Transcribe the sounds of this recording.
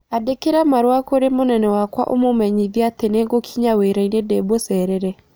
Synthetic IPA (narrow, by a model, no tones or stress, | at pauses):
adekeɾamaɾwakoɾemonɛnɛwakwa̰ʔomomɛɲiðjateneŋɡokʰiɲaweɾainedɛbosɛɾɛɾɛ